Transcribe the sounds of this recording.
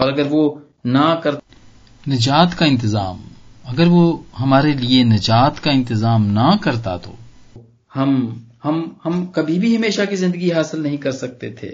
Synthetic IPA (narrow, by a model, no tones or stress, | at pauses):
ɔːɾɐɡəɾʋo | nakɐɾ | nɪd͡ʒaːt̪kaɪ̃nt̪ɪzaːmɐɡəɾʋoɦɐmaːɾelienɐd͡ʒaːt̪kaɪ̃nt̪ɪzaːmnɐkɐɾt̪a̰t̪o̰ | hɐmhɐmhɐmkɐbʱibʱiɦɐmeːʃakizɪ̃nd̪əɡiɦaːsɪlnɐɦĩkɐɾsɐk̚t̪et̪ʰḛː